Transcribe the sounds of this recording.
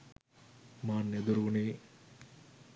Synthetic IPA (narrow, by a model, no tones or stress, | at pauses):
maːnːed̪uɾuneː